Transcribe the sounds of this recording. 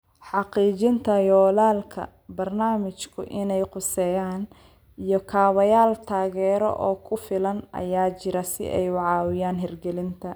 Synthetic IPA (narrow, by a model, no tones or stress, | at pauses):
ħɑqiːt͡ʃɪnt̪ʰɐjɔːlaːlkʰɐ̰ | bɐrnaːmɪt͡ʃkʰʊ̰ʔɪnɛjqʊsɛːjaːn | ijɔkʰaːwɐjaːlt̪ʰaːɣɛːɾɔ̰ʔɔ̰ːkʰʊfɪlɐnʔɐ̰jaːt͡ʃɪɾɐsɪ̰ʔɛ̰jwɑʕɑːwɪjaːnɦɛrɡɛlɪnt̪ʰɐ